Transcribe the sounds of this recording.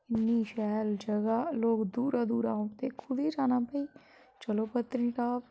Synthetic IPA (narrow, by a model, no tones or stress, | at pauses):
ɪnːiːʃɛːld͡ʒəɡaːloːkd̪uːɾaːd̪uːɾaːõt̪eːkʰʊd̪iːd͡ʒaːnaːpəiː | t͡ʃəloːpət̪ɾĩːʈaːp